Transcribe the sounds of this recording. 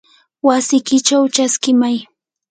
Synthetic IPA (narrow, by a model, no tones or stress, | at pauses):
wasɪkɪt͡ʃawt͡ʃaskɪmaj